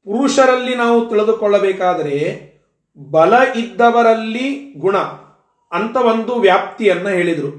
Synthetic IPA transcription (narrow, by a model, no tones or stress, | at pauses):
puɾuʂɐɾɐlːinaːʋut̪iɭid̪ukɔɭːɐbɛːkaːd̪ɐɾe̞ | bɐlɐʔid̪ːɐʋɐɾɐlːiɡuɳɐ | ɐnt̪ɐʋo̞nd̪uʋjaːp̚t̪ijɐnːɐɦe̞ːɭid̪ɐɾu